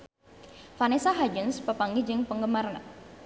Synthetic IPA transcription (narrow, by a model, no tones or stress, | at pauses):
fanisaɦad͡ʒənspəpaŋɡid͡ʒɪŋpəŋɡəmaɾana